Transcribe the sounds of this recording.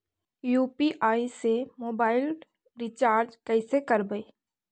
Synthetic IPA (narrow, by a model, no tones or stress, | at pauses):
juːpiʔaːisemoːbaːɪl | ɾɪt͡ʃaːɾd͡ʒkɛɪsekɐɾbəeː